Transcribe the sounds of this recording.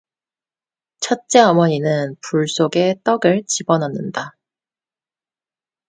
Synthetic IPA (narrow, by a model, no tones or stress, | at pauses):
t͡ɕʰʌt̚t͡ɕ͈e̞ʌmʌɲinɯnpuɭs͈oɡe̞t͈ʌɡɯɭt͡ɕibʌnɦanːɯnda